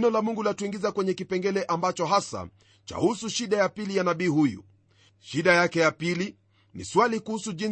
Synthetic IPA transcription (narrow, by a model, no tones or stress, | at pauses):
nɔlamuŋɡulatuiŋɡizakwɛɲɛkipɛŋɡɛlɛʔambat͡ʃɔɦasa̰ | t͡ʃa̰husuʃiɗajapilijanaɓiːhujṵ | ʃiɗajakɛjapili | nḭswalikuhusuʄin